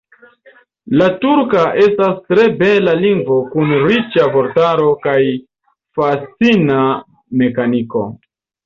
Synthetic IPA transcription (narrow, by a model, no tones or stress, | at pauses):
latuɾkaʔe̞stastɾe̞be̞laliŋɡvo̞kunɾit͡ʃavo̞ɾtaɾo̞kaj | fat͡sina | me̞kaniko̞̰